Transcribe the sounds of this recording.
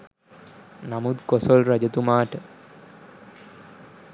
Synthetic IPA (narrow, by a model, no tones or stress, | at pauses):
namud̪kosolɾad͡ʑɐt̪umaːʈə